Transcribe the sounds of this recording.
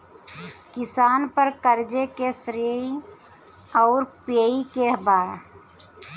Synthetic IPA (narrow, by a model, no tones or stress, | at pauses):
kɪsaːnpəɾkəɾd͡ʒekesɾe | ɔːɾpeːikebaːɾ